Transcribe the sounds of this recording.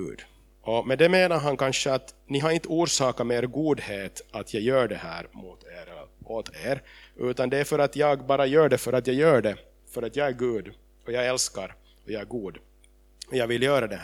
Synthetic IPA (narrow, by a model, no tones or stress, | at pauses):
ʉ̟̰ːd̪ | ʔɔmɛnd̪ɛmeːnaɾɦankanʂəat̪nɪɦaɾɪnt̪ːəuːɾʂɑːkameːɾɡuːd̪heːt̪at̪ʰjɑɡjœːɖɛhæ̰ːɾmuːt̪ʰeːɾot̪ʰeːɾʔʉ̟ːt̪and̪ɛæɾfœɾat̪jɑːɡbɑːɾajœːɖɛfœɾat̪jɑːɡjœːɖɛ | fœɾat̪jɑːɡæɾɡʉ̟ːd̪ | ɔjɑːɡɛlskaɾ | ɔjɑːɡæɾɡuːd̪ | ɔjɑːɡvɪljøːɾad̪ɛh